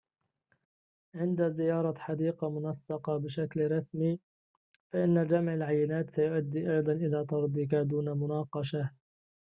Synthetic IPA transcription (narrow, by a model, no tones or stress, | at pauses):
ʕɪnd̪azɪjɑːɾˤɑħɑd̪iːqɑmʊnɑsːɑqɑbɪʃaklɾˤɑsmiː | faʔɪnːad͡ʒamʕalʕajːɪnaːt̪sajʊʔad̪ːiːʔɑjd̪ˤɑnʔɪlaːt̪ɑɾˤd̪ˤik̬ad̪uːnamʊnɑːqɑʃa